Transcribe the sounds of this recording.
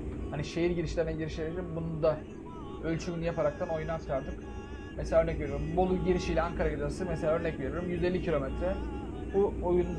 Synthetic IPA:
haniʃejiɾɟiɾiʃlʲeɾinɛɟiɾiʃieɾd̪ʲimbunund̪a | ølʲt͡ʃʰyinijapaɾak̚t̪ʰano̞junat͡ʃkʰaɾd̪ɯk | meselʲaːø̞ɾnɛcve̞ɾijoɾimbolˠuɟiɾiʃiːlʲɛaŋkʰaɾaɡid̪asɯmeselʲaːø̞ɾnɛcve̞ɾiɾimjyzelʲːicʰilʲo̞met̪ɾɛ | buojund̪

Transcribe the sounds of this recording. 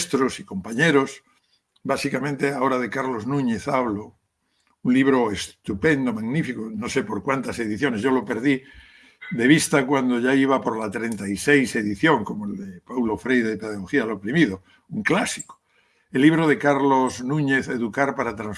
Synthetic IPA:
st̪ɾosiko̞mpaɲeɾo̞s | basikamẽnt̪eaoɾað̞ekaɾlo̞znũɲe̞θaβlo | unliβ̞ɾo̞est̪upẽ̞nd̪omaɣnifikonosepo̞ɾkwant̪ase̞ðiθjo̞neʝolo̞pe̞ɾð̞i | ðe̞β̞ist̪akwand̪oʝaiβ̞apoɾlat̪ɾe̞nt̪aisejse̞ðiθjoŋkomoeld̪epawlo̞fɾejððepeðaɣoxiaelopɾimiðo | uŋklasiko̥ | elːiβ̞ɾoð̞ekaɾloznũɲeθeðukaɾpaɾat̪ɾãns

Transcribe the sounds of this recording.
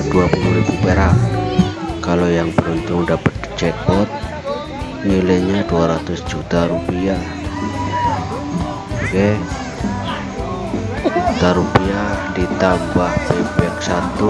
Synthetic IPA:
d̥uapuluɾibupeɾaʔ | kalojaŋbəɾunt̪ʊŋdapət̪̚t͡ʃɛk̪̚bɔt̪̚ | nileɲaduaɾat̪ʊsd͡ʒut̪aɾupia | kɛ | d͡ʒd͡ʒut̪aɾupiadit̪ambahpebɛk̚sat̪u

